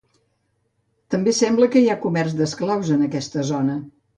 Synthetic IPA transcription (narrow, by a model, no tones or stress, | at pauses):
t̪əmbesɛmbləkəiakumɛrzd̪əsklawzənəkɛst̪əzonə